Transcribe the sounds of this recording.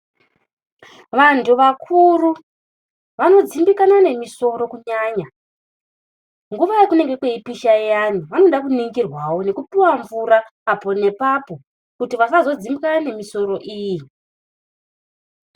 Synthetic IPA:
ʋantʰuʋakʰuru | ʋano̞d͡zimbikanane̞miso̞ɾo̞kuɲaːɲa | ŋɡuʋajakune̞ŋɡe̞kweipiʃajaniʋano̞ɗakuniŋɡirwawo̞ne̞kupiwaɱvuɾaːpo̞ne̞papo̞ | kutiʋasazo̞d͡zimbikanane̞miso̞ɾo̞ʔiːji

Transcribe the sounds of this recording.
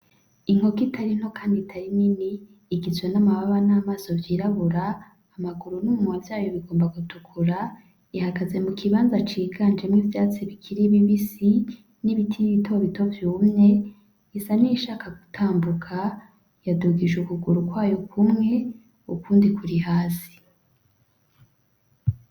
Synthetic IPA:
iŋ̥ho̞kitʰaɾin̥ho̞kʰaːnditʰaɾininiː | ɡizwe̞namaβaβanaːmaːso̞vjiːɾaβuɾaː | maɡuɾunuumovjaːjoβiɡo̞ːmbaɡutʰukʰuɾa | ihakaze̞mukʰiβaːnzat͡ʃiːɡaːnd͡ʒemŋivjaːt͡siβikʰiɾiβiβisi | niβitʰiiβitʰoβito̞vjuːmɲe̞ | isaniʃaːkʰaɡ̥u̥tʰaːmbukʰa | jaduɡiʒukuɡuɾukwaːjokʰumŋe̞ | ukuːndikuɾihaːsi̥

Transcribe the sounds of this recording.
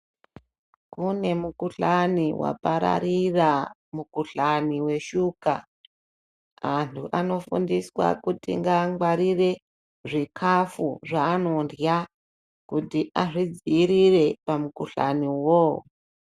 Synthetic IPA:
kune̞mukuɬaniwa̰paɾa̰ɾiramukuɬaniwe̞ʃuːka̰ | antʰuʔano̞fṵndiswa̰kutḭŋɡaŋɡwaɾire̞ | ʐikʰafuʐaːno̞ndja | kutiʔaʐid͡ziːɾire̞pamukuɬa̰niwo

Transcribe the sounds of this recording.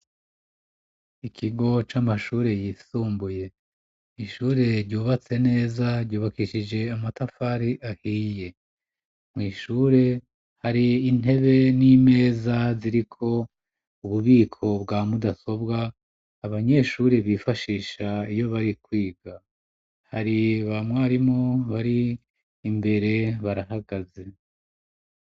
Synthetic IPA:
ikʰiɡo̞t͡ʃamaʃuːɾe̞jiːsuːmbuje̞ | iʃuːɾe̞ɾɟuːβat͡se̞ne̞ːzaɾɟuːβakiʃid͡ʒe̞amatafaːɾiʔahije̞ | mŋiːʃuːɾe̞ | haɾiːn̥e̞βe̞nime̞ːzaziɾikʰo̞ | uβuβiːkʰo̞bɡaːmudaso̞bɡaː | βaɲe̞ʃuːɾe̞βiːfaʃiːʃaijo̞βaɾikwiːɡa | haɾiβamwaːɾimŋooβaɾiː | mbe̞ɾe̞βaɾaɦaɡaze̞

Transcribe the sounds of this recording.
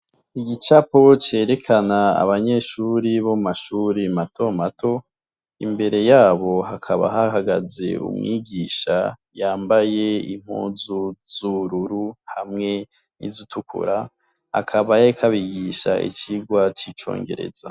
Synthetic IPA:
iɡit͡ʃapo̞t͡ʃe̞ːɾe̞kʰanaa̰βaɲe̞ʃuːɾiβomaʃuɾimatʰo̞matʰo̞ | imbe̞ɾe̞jaːβo̞ɦakʰaβa̰ɦahaɡazḛṵmŋiːɡiːʃa̰jaːmbaje̞ḭm̥hṵːzuz̥uɾuɾuhamŋe̞ | nḭzutʰukṵɾa | ha̰kʰaβajaikʰaβiɡiʃa̰ʔḭt͡ʃiɡwat͡ʃit͡ʃo̰ːŋɡe̞̰ɾe̞̰za̰

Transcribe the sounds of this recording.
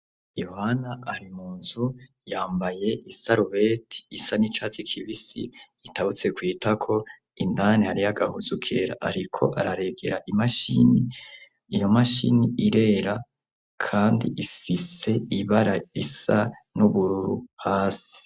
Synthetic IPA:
jo̞hanaːɾimuːnzu | jaːmbaje̞ʔisaɾuβetʰi̥ːsanit͡ʃat͡sikʰiβisḭ | itaβut͡se̞kwiːtakʰo̞ | indanihaɾijaɡahuzukʰeɾa̰ʔaɾikʰo̞̰ʔaɾaɾe̞ɡe̞̰ɾaʔimaʃḭni | ijo̞maʃḭniiɾe̞ːɾa | kʰaːndḭʔifise̞iβaɾaisanuβuɾuɾuhaːsi̥

